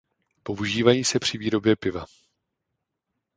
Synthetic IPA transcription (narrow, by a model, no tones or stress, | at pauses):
po̞ʔuʒiːvajiːsɛpr̝̥ɪviːɾo̞bjɛpɪva̰